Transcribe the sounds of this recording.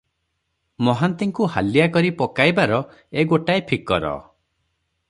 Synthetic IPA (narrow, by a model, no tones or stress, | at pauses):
mɔɦant̪iŋkuha̰lijakɔɾipɔkajbaɾɔ | eɡoʈaepʰikɔɾɔ̰